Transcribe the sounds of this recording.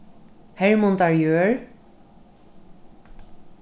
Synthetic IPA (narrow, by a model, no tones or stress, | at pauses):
hɛɹmʊnt̪aɹjøːɹ